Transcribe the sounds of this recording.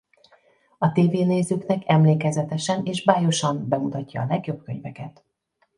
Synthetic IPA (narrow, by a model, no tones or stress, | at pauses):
ɒt̪eːveːneːzyknɛkɛmleːkɛzɛt̪ɛʃɛneːʒbaːjo̞ʃɒmbɛmut̪ɒcːɒːlɛɡjo̞b̚køɲvɛkɛt̪